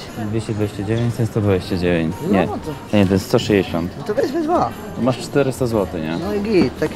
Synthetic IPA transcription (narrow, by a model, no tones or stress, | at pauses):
ɛd̪vʲeɕt͡ɕɛd̪vʲeɕt͡ɕɛd͡ʑevʲjẽɲt͡ɕsɛst̪ɔd̪veɕt͡ɕad͡ʑevʲjeɲt͡ɕɲɛɔɲɛt̪̬ɔjɛst̪ɔʂɛjd͡ʑeɕɔnt̪t̪ɔbɛzvɛzva | t̪ɔmaʂt͡ʂt̪ɛɾɘst̪azwɔt̪ɘɲɛ̰nɔiɡʲit̪t̪akʲ